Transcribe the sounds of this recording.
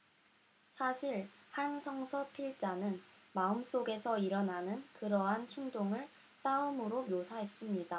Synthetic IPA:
sʰaɕʰiɭhansʰʌŋsʰʌpʰiɭt͡ɕ͈anɯnmaɯms͈oɡe̞sʰʌiɾʌnanɯnkɯɾʌɦant͡ɕʰuŋdoŋɯɭ | s͈aɯmɯɾomjosʰaɦe̞s͈ɯmɲida

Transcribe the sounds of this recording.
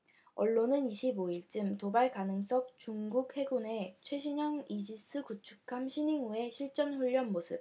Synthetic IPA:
ʌɭːonɯniɕʰiboiɭt͡ɕ͈ɯmtobaɭkanɯŋs͈ʌk̚t͡ɕuŋɡuk̚he̞ɡune̞t͡ɕʰwe̞ɕ̬ʰiɲʌŋid͡ʑis͈ʰɯkut͡ɕʰu̥kʰamɕʰiniŋue̞ɕʰiɭt͡ɕ͈ʌnɸuʎːʌnmosʰɯp̚

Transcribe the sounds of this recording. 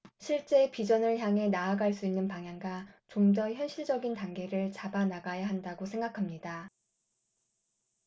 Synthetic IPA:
ɕʰiɭt͡ɕ͈e̞pid͡ʑʌnɯɭçjaŋɦe̞naːɡaɭs͈uinːɯnpaŋɦjaŋɡat͡ɕomdʌçjʌnɕʰiɭd͡ʑʌɡintaŋɡe̞ɾɯɭt͡ɕabanaɡajaɦandaɡosʰe̞ŋɡakʰamɲida

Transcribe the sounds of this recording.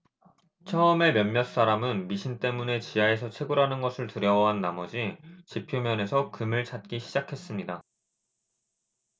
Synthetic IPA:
t͡ɕʰʌʌme̞mjʌnːjʌs͈aɾamɯnmiɕʰint͈e̞mune̞t͡ɕiae̞sʰʌt͡ɕʰwe̞ɡuɾɦanɯnɡʌsʰɯɭtɯɾjʌwʌɦanːamʌd͡ʑit͡ɕipʰjomjʌne̞sʰʌkɯmɯɭt͡ɕʰat̚k͈iɕʰid͡ʑakʰe̞s͈ɯmɲida

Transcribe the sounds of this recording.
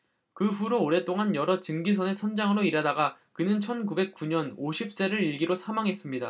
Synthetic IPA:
kɯɸuɾoːɾe̞t͈oŋanjʌɾʌt͡ɕɯŋɡisʰʌnesʰʌnd͡ʑaŋɯɾoiɾadaɡakɯnɯnt͡ɕʰʌnkube̞k̚k͈uɲʌnoɕʰip̚s͈e̞ɾɯɾiɭɡiɾosʰamaŋɦe̞s͈ɯmɲida̰

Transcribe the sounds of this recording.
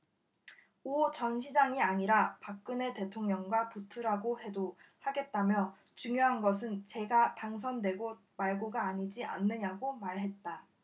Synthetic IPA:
ot͡ɕʌnɕʰid͡ʑaŋiaɲiɾapak̚k͈ɯne̞te̞tʰoŋɲʌŋɡwaputʰuɾaɡohe̞do | haɡe̞t̚t͈amjʌt͡ɕuŋjoɦanɡʌs̬ʰɯnt͡ɕe̞ɡataŋs̬ʰʌndwe̞ɡo | maɭɡoɡaːɲid͡ʑiʔa̰nːɯɲaɡomaɭɦe̞t̚t͈a

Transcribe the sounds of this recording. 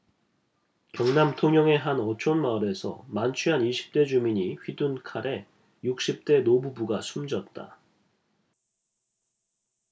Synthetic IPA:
kjʌŋnamtʰoŋjʌŋe̞ɦanʌt͡ɕʰonmaɾe̞sʰʌ̰mant͡ɕʰɥiɦaniɕʰi̥p̚t͈e̞d͡ʑumiɲiɸɥidunkʰaɾʔe̞ | juk̚ɕ͈ip̚t͈e̞nobubuɡasʰumd͡ʑʌt̚t͈a̰

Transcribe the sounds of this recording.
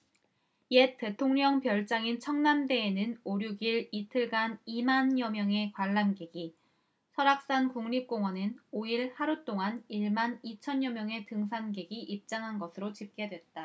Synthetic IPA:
je̞t͈e̞tʰoŋɲʌŋpjʌɭt͡ɕ͈aŋint͡ɕʰʌŋnande̞ːnɯnoɾjuɡiɭitʰɯɭɡanimanjʌmjʌŋe̞kwaɭːanɡe̞ɡi | sʰʌɾak̚s͈ankuŋɲip̚k͈oŋɦwʌnɯnoiɭhaɾut͈oŋaniɭmanit͡ɕʰʌnjʌmjʌŋe̞tɯŋsʰanɡe̞ɡiʔip̚t͡ɕ͈aŋɦanɡʌsʰɯɾot͡ɕip̚k͈e̞dwe̞t̚t͈a

